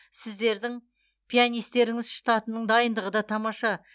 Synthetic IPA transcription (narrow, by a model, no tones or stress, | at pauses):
sɪzd̪e̞ɾd̪ɪŋ | pʰijanijst̪e̞ɾɪŋɪzʃə̥t̪ɑt̪ənːəɴd̪ɑjənd̪əʁəd̪ɑt̪ʰɑmɑʃɑ